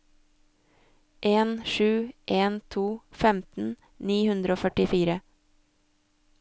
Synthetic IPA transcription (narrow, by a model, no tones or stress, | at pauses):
ʔeːnʃʉːʔeːnt̪ʰuːfɛmt̪n̩ | niːhʉnd̪ɾəoːfœʈɪfiːɾə